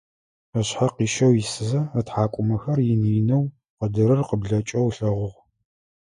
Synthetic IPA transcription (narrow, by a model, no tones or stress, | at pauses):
ɐɕħaqiːʃɐwjisɨzɐɐtħaːkʷʼʊmɐxɐrjɪniːnɐw | qədɨɾɨrqəbɮɐt͡ʃʼɐwɬɐʁʷʊʁ